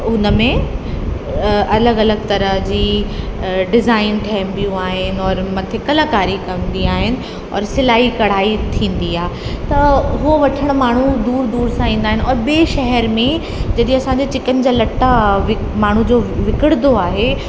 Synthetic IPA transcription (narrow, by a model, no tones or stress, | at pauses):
ʊnəmẽ | ɐləɡɐləɡt̪ɐɾə̆ɦd͡ʑiː | ɖɪzaːɪnʈʰeɦɪmpijũaːɦɪnɪ̆ɔːɾmɐt̪ʰekɐlakaːɾikɐ̃nd̪iaːɦɪnɪ̆ | ɔ̰ːɾsɪlaːikɐɽ̤aːit̪ʰĩːn̆d̪iaːɦet̪ɐɦuoʋɐʈʰəɽ̃̆maːɳ̤ud̪uːɾd̪uːɾsãĩːn̆d̪aːɦɪnɪ̆ɔːɾɓeːʃɐɦɛɾmẽ | d͡ʑɐɗẽɐsãɲd͡ʑet͡ɕɪkənɪ̆d͡ʑaːlɐʈːaʋɪ | maːɳ̤ud͡ʑoːʋɪkɪɽd̪oaːɦe